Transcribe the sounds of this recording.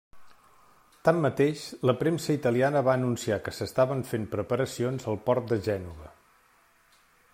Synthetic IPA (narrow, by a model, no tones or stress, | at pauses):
t̪amːət̪eʃləpɾemsəit̪əlianəβaənunsiakəsəst̪aβəɱfempɾəpəɾəsionzəlˠpɔrt̪̚d̪əʒɛnuβə